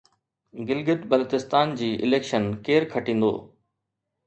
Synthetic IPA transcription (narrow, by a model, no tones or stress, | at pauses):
ɡɪlɡɪt̪bɐlt̪ɪst̪aːnd͡ʑiːʔɪ̰leːkʃənkeːɾkʰɐʈĩːn̆d̪o̰ː